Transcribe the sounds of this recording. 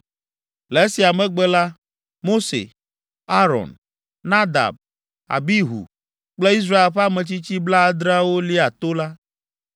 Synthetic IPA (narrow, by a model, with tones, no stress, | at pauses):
le˨e˦si˨a˨mɛ̃˦ɡ͡bɛ˦la˦ | mo˦sḛ˨ | a˦ɾɔ̰˨n | na˦d̪a̰˨b̚ | a̰˨bi˦ɦṵ˨ | k͡ple˦i˦s̬ɾa˦e˨lɸe˦a˦mɛ̃˨t͡ɕi˦t͡ɕi˦bla˦a˦d̪ɾa˦wo˦li˦a˨t̪o˦la˦